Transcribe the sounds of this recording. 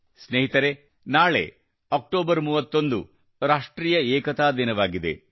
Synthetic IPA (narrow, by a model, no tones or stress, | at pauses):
sneɦit̪ɐɾe̞ | naːɭḛ | ɐk̚ʈoːbɐɾmuːʋɐt̪ːo̞nd̪u | ɾaːʂʈɾiːjɐɛːkɐt̪aːd̪inɐʋaːɡid̪e̞̰